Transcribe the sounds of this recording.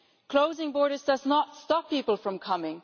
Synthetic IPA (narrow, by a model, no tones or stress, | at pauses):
kʰl̥oʊzɪ̃ŋbɔɹɾə˞zdʌznətstɑpʰːipəl̩ˠfɹə̃mkʰʌmɪ̃ŋ